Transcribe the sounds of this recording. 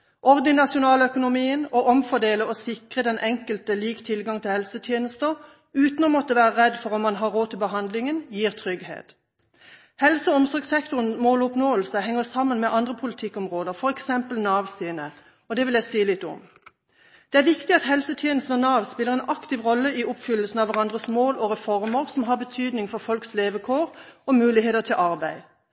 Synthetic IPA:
ʔɔʁd̪ɪnɑsʊnɑːləœkʊnʊmiːənɔʔɔmfɔʁd̪eːləɔsɪkʁəd̪ɛnʔɛŋkəlt̪əliːkt̪ʰɪlɡɑŋt̪ʰɪlhɛlsət̪ʰjeːnəst̪əʁ | ʉːt̪nɔmɔt̪ːəʋæːʁəʁɛd̪fɔʁɔmmːɑnɦɑːʁoːt̪ʰɪlbəɦɑnd̪lɪŋənjiːʁt̪ʰʁʏɡhḛːt̪ | hɛlsəɔmsɔʁɡsɛkt̪ʊʁən̩moːlʊpnoːəlsəhɛŋːəʁsɑmːənmɛʔɑnd̪ʁəpʰʊlɪt̪ʰɪkːɔmʁoːd̪əʁfɔʁɛksɛmpəl̩nɑːʋsiːnə | ɔd̪ɛʋɪljæɪsiːlɪt̪ːɔ̰m | d̪̥ɛæʁʋɪkt̪ɪɑt̪hɛlsət̪ʰjeːnəsnɔnɑːʋspɪləʁɛːnɑkt̪ɪʋʁɔlːəiʊpfʏlːəlsn̩ɑʋæʁɑnd̪ʁəsmoːlɔʁɛfɔʁməʁsɔmɦɑːʁbət̪ʰyːd̪nɪŋfɔʁfɔlksleːʋəkʰoːʁɔmʉːlɪheːt̪ət̪ʰɪlʔɑʁbæɪ

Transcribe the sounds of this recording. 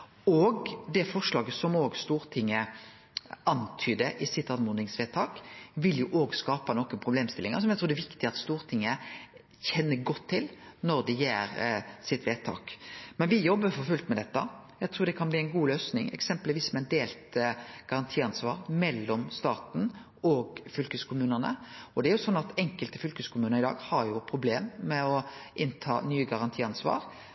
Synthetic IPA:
oːɡd̪ɛfɔʂlɑːɡəsɔmoːɡst̪uːɾt̪ʰɪŋːə | ɑnt̪ʰyːd̪əʔɪsɪt̪ːɑnmuːnɪŋsʋeːt̪ʰɑːkʋɪljʊʔoːɡskɑːpɑnɔkənpʰɾʊbleːmst̪ɪlɪŋə̰ɾsɔmjæɪt̪ɾuːd̪ɛʋɪkt̪ɪɑt̪st̪uːɾt̪ʰɪŋːə | çɛnːəɾɡɔt̪ʰːɪlnɔɾd̪ɛjeːɾsɪt̪ʋeːt̪ʰɑ̰ːkmɛnʋɪjɔbːəfɔɾfʉlt̪mɛd̪ɛt̪ːɑ̰jæɪt̪ɾuːɾd̪ɛkʰɑnbliːæɪnɡuːløːsnɪ̰ŋɛ̰ksɛmpəlʋiːsmɛd̪eːlt̪ɡ̥ɑɾɑnt̪ʰiːɑnsʋɑ̰ːɾmɛlːɔmst̪ɑːt̪n̩ | ɔɡfʏlkəskʰʊmʉːnənə̰ɔd̪ɛæɾjʊsɔnːɑt̪ɛŋkəlt̪əfʏlkəskʰʊmʉːnəɾɪd̪ɑ̰ːɡhɑɾjʊpʰɾʊbleːmːɛɔʔɪnt̪ʰɑ̰ːnyːəɡɑɾɑnt̪ʰiːɑnsʋɑ̰ːɾ

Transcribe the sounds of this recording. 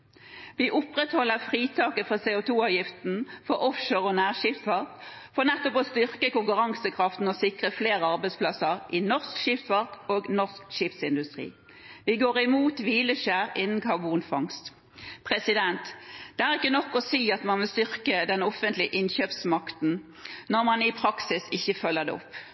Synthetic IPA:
ʋɪʔʊpʁɛt̪hɔlːəfʁiːt̪ʰɑːkəfʁɑseːʊt̪ʰuːɑʋjɪft̪n̩fɔɾʔɔfʃoːʁɔnæːʁʃɪft̪ʋɑʁkfɔʁnɛt̪ːɔpɔst̪ʏʁkəkʊŋkʉʁɑŋsəkʰʁɑft̪n̩ɔsɪkʁəfleːʁəɑʁbɛɪspʰlɑsəʁʔɪnɔʁskʃɪft̪ʋɑʁkoːɡnɔʁskʃɪpsɪnd̪ʉst̪ʁḭː | ʋɪɡoːʁɪmuːt̪ʋiːləʃæːʁɪnn̩kʰɑʁbuːnfɑŋst̪ | pʰʁɛsɪd̪ɛnt̪d̪̥ɛæʁɪkːənɔkːɔsiːɑt̪mɑnʋɪlst̪ʏʁkəd̪ɛnɔfənt̪lɪəʔɪnçøːpsmɑkt̪n̩ | nɔʁmɑnɪpʰʁɑksɪsɪçːəfœlːəʁd̪ɛ̰ɔ̰pː

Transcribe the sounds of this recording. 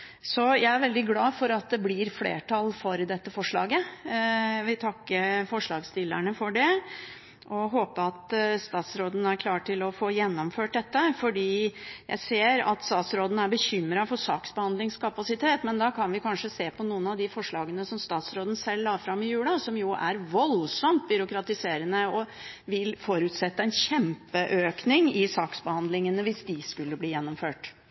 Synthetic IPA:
sɔjæɪæɾʋɛld̪ɪɡlɑːfɔɾɑt̪̚d̪ɛblɪɾflḛːʈʰɑlfɔɾd̪ɛt̪ːəfɔʂɭɑ̰ːɡə | ʋɪt̪ʰɑkːəɾfɔʂɭɑːɡst̪ɪlːəɳəfɔɖɛ | ʔɔɦoːpəɑt̪st̪ɑːt̪sɾoːd̪n̩æɾkʰlɑːʈʈɪlɔfoːjɛnːɔmføːʈ̚d̪ɛt̪ːəfɔɖiːjæ̰ɪseːɾɑ̰t̪st̪ɑːt̪sɾoːd̪n̩æɾbəɕʏmːɾɑfɔsɑːksbəhɑnd̪lɪŋskʰɑpɑsɪt̪ʰeːt̪mɛnd̪ɑkʰɑnʋɪkʰɑnʂəseːpʰɔnuːənɑʋd̪ɪfɔʂɭɑːɡənəsɔmst̪ɑːt̪sɾoːd̪n̩sɛlːɑfɾɑmːɪjʉːlɑsɔmjʊʔæ̰ɾʋɔlsɔmt̪̚bʏɾʊkɾɑt̪ɪseːɾənəɔ | ʋɪlfɔɾʉːt̪sɛt̪ːəɛnɕɛmpəʔøːknɪŋɪsɑːksbəhɑnd̪lɪŋənəʋɪsd̪ɪskʉlːəbliːjɛnːɔmføːʈ

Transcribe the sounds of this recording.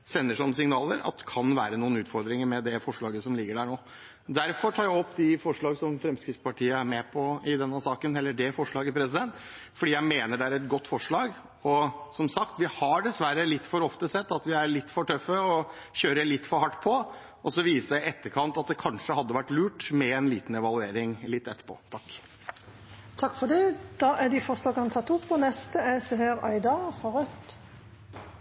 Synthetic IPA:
sɛnːəʂɔmsɪŋnɑːləɾɑ̰t̪kʰɑnʋæːɾənuːənʉːt̪fɔɾd̪ɾɪŋəɾmɛd̪ɛfɔʂɭɑːɡəsɔmlɪɡːəɖæːɳoː | d̪æɾfɔɾʈʰɑːɾjæɔpːd̪ɪfɔʂɭɑːɡsɔmfɾɛmskɾɪt̪spɑʈʰiːəæɾmɛpʰɔɪd̪ɛnːəsɑːkənɛlːəɖɛfɔʂɭɑːɡəpʰɾɛsɪd̪ɛnt̪ | fɔɖiːjæɪmeːnəɖɛæɾɛt̪̚ɡɔt̪ːfɔʂɭɑːɡ | ɔsɔmsɑkt̪ʋɪhɑɖɛsʋæɾəlɪt̪ːfɔɾɔft̪əsɛt̪ːɑt̪ʋɪæɾɭɪt̪ːfɔʈʰœfːəɔ | çøːɾəɭɪt̪ːfɔɾhɑʈːpʰɔ | ʔɔsɔʋiːsəɪɪɛt̪ːəɾkʰɑnt̪ɑt̪̚d̪ɛkʰɑnʂəhɑd̪ːəʋæʈːlʉːʈmɛɛnlḭːt̪n̩ɛʋɑlˠʉeːɾɪŋlɪt̪ːɛt̪ːə̥pʰo̰ːt̪ʰɑkː | t̪ʰɑkːfɔɖ̪ɛːd̪̥ɑːʔæd̪ɪfɔʂlɑːɡənɑt̪ʰɑt̪ːʊpːɔnɛst̪əɛsəɦeːɾɑ̰ɪd̪ɑfɑɾœt̪

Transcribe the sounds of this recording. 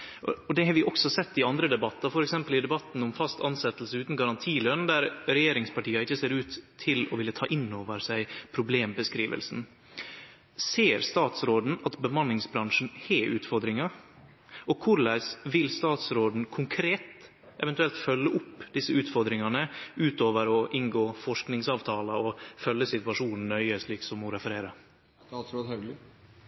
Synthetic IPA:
ɔd̪ɛhɑːɾʋɪʔɔksɔsɛt̪ːɪɑnd̪ɾəd̪ɛbɑt̪ːɑfɔɾɛksɛmpəlɪd̪ɛbɑt̪nɔmfɑst̪ɑnsɛt̪ːlsəʉːt̪n̩ɡɑɾɑnt̪ʰiːlœnd̪æɾɾɛjeːɾɪŋspɑʈiːɑɪçːəseːɾʉːt̪ʰːɪlɔʋɪlːət̪ʰɑːʔɪnːoːʋəɾsæɪpʰɾʊbleːmbəskɾiːʋə̰lsn̩ | seːɾst̪ɑːt̪sɾoːd̪n̩ɑt̪bəmɑnlɪŋsbɾɑŋʂn̩heːʔʉ̰ːt̪fɔɾd̪ɾɪŋɑ | ʔɔkʰʊɾlæɪsʋɪlst̪ɑːt̪sɾoːd̪n̩kʰʊŋkʰɾeːt̪ | ʔɛʋɛnt̪ʉɛlt̪fœlːəʔʊpːd̪ɪsːəʉːt̪fɔɾd̪ɾɪŋɑnəʉːt̪oːʋəɾɔʔɪŋɡoːfɔʂknɪŋsɑːʋt̪ʰɑːlɑɔfœlːəsɪt̪ʉɑʂuːnn̩ːœʏəsɭiːksɔmːʊɾɛfəɾeːɾəɾ | ɑːt̪sɾoːd̪hɛ

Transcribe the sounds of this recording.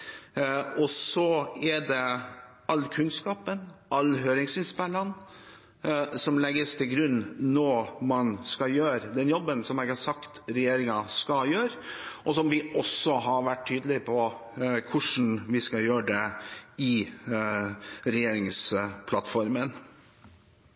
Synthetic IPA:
ɔsɔæɖɛ | ɑlːkʰʉnskɑːpənʔɑlɦøːɾɪŋsɪnspɛlːɑn | sɔmlɛɡːəst̪ʰɪlɡɾʉnːnɔmɑnskɑjøːɾd̪ɛnjɔbːənsɔmeːɡhɑsɑkt̪ɾɛjeːɾɪŋɑskɑljøːɾʔɔsɔmʋɪʔɔsːɔɦɑɾʋæʈʰːyːd̪əlɪpʰɔkʰʊʂn̩ʋɪskɑjøːɖɛɪ | ɾɛjeːɾɪŋspʰlɑ̰t̪fɔɾmən

